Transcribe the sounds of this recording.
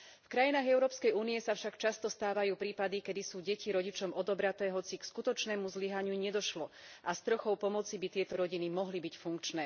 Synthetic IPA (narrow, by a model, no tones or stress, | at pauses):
fkɾajinaːɣɛʊɾɔːpskɛjuːnijɛsafʃakt͡ʃast̪ɔst̪aːʋajuːpɾiːpad̪ikɛd̪isuːɟɛciɾɔɟit͡ʃɔmɔd̪ɔbɾat̪ɛːɦɔt͡sikskut̪ɔt͡ʃnɛːmuzliɦaɲɪuɲɛd̪ɔʃlɔʔast̪ɾɔxɔʊpɔmɔt͡sibit̪ɪɛt̪ɔɾɔɟinimɔɦlibicfuŋkt͡ʃnɛː